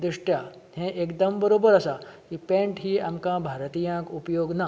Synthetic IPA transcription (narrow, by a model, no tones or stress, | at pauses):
d̪ɾiʂʈja | hẽʔekd̪əmbəɾobəɾəsakipẽɳʈɦiːamkãbʱaɾt̪ijãkupjoɡna